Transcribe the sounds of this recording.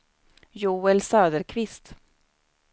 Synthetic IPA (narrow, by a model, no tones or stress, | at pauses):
juːɛlsøːd̪əɾkʰvɪst̪